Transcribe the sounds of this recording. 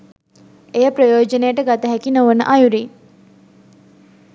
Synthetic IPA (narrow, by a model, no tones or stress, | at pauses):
ejəprəjoːd͡ʒənəjəʈəɡat̪əɦækinoʋənə̰ʔajuɾi